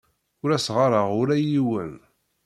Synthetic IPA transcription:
ʊɾæsʁɑɾˤəʁʊɾæjiwən

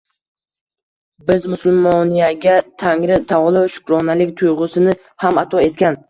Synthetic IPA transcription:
bɪzmʊsʊlˠmɒnijaɡʲat̪ʰaŋɾɪt̪ʰaʁlˠɪʃʊ̥kɾɒnalɪkʲt̪ʰʊjʁʊsɪnɪ | hamat̪ʰɒe̞t̪̚kʲan

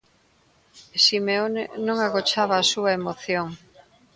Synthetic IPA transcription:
simeonenõŋaɣot͡ʃaβaːsuɐemoθjoŋ

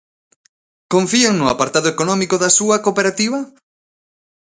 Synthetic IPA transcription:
koɱfieŋnʊa̰paɾt̪aðoekonɔmikoðɐsuɐkopeɾat̪iβ̞ɐ

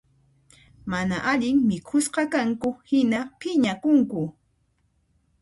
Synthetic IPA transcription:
manaʔaʎɪŋmɪkʰʊsqɑkaŋkʊhɪnapɪɲakʊŋkʊ

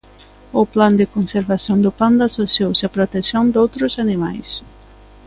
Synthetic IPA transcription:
ʊpland̪ekonseɾβasjond̪ʊpand̪asosjowsɐpɾot̪eksjõnd̪owt̪ɾʊsanima̰js

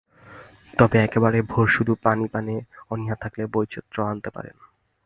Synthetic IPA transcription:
t̪ɔbeɛkebaɾebʱoɾʃud̪ʱupanipaneɔniɦat̪ʰaklebojt͡ɕʰit̪ːɾoant̪epa̰ɾḛna

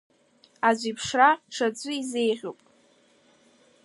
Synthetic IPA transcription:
azʷipʰʂraʈ͡ʂʰad͡zʷɨize̞jʁʲo̰pʼ

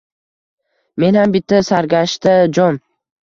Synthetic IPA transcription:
me̞nhambɪt̪ʰːasaɾɡʲaʃt̪ad͡ʒɒn

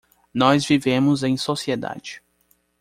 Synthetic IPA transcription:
nɔzvivẽmʊzẽj̃sosied̪a̰d͡ʒɪ

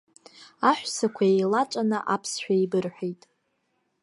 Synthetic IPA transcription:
aħʷᶣsakʷʰaejlat͡ʃʷʼanɨʔapʰsħᶣaibɨrħʷᶣejtʼ

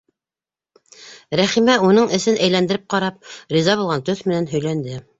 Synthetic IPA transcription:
ɾæχimæunɤɴɘ̆sɘnʔæjlænd̪ɘ̆ɾɘp̚qɑɾɑp̚ɾizɑβulˠʁɑnt̪ɵθmɘ̆nænɦɵ̆jlænd̪ɘ

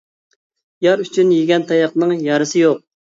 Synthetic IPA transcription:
jɑɾyt͡ʃʰynjiɡʲɛnt̪ʰɑjɑqnɨŋjɑɾɨsɨjoq̚

